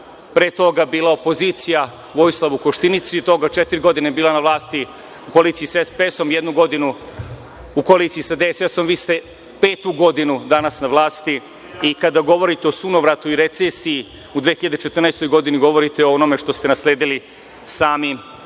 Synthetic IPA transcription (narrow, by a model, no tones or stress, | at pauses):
pɾe̞ːt̪o̞ɡabiːlˠao̞po̞ziːt̪sija | ʋo̞jislˠaʋukoʃt̪init̪sujet̪o̞ɡat͡ʃet̪iɾiɡo̞d̪inebiːlˠanaʋlˠaːst̪i | ukoaliːt̪siisaespeeso̞mjed̪nuɡo̞d̪inu | ukoaliːt̪siisad̪eseso̞mʋiːst̪e̞ | peːt̪uɡo̞d̪inud̪anasnaʋlˠaːst̪i | ikad̪aɡo̞ʋo̞ɾit̪eo̞sunoʋɾat̪uiɾe̞t̪sesiji | ud̪ʋexiʎad̪et͡ʃet̪rnajst̪o̞jɡo̞d̪iniɡo̞ʋo̞ɾit̪eoono̞me̞ʃt̪o̞st̪e̞nasleːd̪ili | saːmi